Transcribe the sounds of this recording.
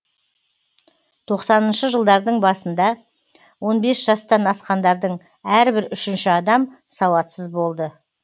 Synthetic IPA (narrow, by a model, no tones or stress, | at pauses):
t̪ʰo̞qsɑnənʃəʒəlˠd̪ɑɾd̪əɴbɑsənd̪ɑ | wo̞nbe̞sʒ̥ɑst̪ɑnɑsqɑnd̪ɑɾd̪əɴ | æɾbɪɾʏʃɪnʃɪɑd̪ɑmsɑwɑt̪səzbo̞lˠd̪ə